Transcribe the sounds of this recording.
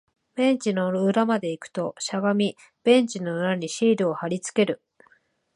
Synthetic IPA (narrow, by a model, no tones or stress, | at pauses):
b̥ẽ̞ɲt͡ɕino̞ɯɾamad̪e̞ikɯ̟̥t̪o̞ɕaɡamʲi | b̥ẽ̞ɲt͡ɕino̞ɯ̟ɾaɲ̟iɕiːɾɯohaɾʲit͡sɨ̥ke̞ɾɯ̟